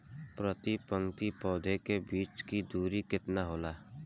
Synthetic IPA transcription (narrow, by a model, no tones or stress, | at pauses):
pɾət̪ipə̃ŋt̪ipɔːd̪ʱekebiːt͡ʃkid̪uːɾikɪt̪naɦoːlaː